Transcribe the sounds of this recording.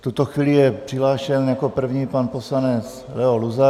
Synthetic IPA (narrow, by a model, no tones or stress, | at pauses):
ft̪ut̪oxviːlijɛpr̝̥ɪlaːʃɛnjakopr̩vɲiːpanposlanɛt͡s | lɛoluza